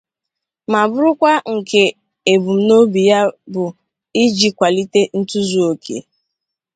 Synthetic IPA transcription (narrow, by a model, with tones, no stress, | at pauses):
ma˨bʊ˦ɾʊ˦kʷa˦ŋ̩˨ke˨ | e˨bu˨m̩˦no˦bi˨ja˦bʊ˨ | i˦d͡ʒi˦kʷa˨li˦te˦n̩˦tu˦zu˦o˨kʰḛ˨